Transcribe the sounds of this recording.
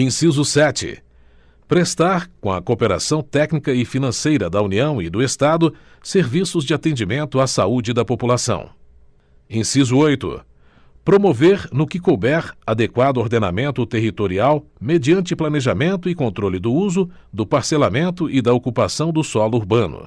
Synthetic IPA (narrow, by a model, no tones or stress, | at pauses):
ẽsizʊsɛt͡ʃɪ̰ | pɾest̪aɾkõɐkopeɾa̰sɐ̃w̃t̪ɛknikɐɪfinɐ̃sejɾɐd̪ɐuniɐ̃w̃ɪd̪ʊest̪ad̪ʊ | seɾvisʊzd͡ʒɪat̪ẽnd͡ʒimẽnt̪ʊasaud͡ʒɪd̪ɐpopulasɐ̰̃w̃ | ẽj̃sizʊojt̪ʊ̰ | pɾomoveɾnʊkɪkobɛɾad̪ekwad̪ʊoɾd̪ena̰mẽnt̪ʊt̪eɦit̪oɾiawmed͡ʒiɐ̃nt͡ʃɪplɐneʒamẽnt̪ʊɪkõnt̪ɾolɪd̪ʊuzʊ | d̪ʊpaɾselamẽnt̪ʊʔɪd̪ɐokupasɐ̃w̃d̪ʊsɔlʊuɾbɐ̃nʊ̰